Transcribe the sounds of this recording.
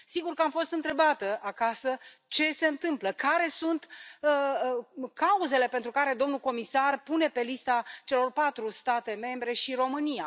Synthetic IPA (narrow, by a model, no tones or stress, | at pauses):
siɡurkəamfo̞st̪ɨnt̪ɾe̞bat̪əakasət͡ʃe̞se̞ɨnt̪ɨmpləkaɾe̞sunt̪ə | kauze̞le̞pent̪ɾukaɾe̞d̪o̞mnuko̞misarpune̞pe̞list̪at͡ʃe̞lo̞rpat̪ɾust̪at̪e̞me̞mbɾe̞ʃiɾo̞mɨnija